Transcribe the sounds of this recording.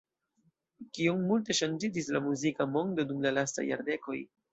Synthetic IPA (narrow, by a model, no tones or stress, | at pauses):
kiommulte̞ʃand͡ʒid͡ʒislamuzikamo̞ŋdo̞dumlalasta̰jːa̰ɾde̞ko̞j